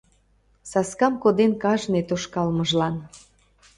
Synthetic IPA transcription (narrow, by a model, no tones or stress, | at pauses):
sɑskɑmkod̪enkɑʒnet̪oʃkɑlməʒlɑn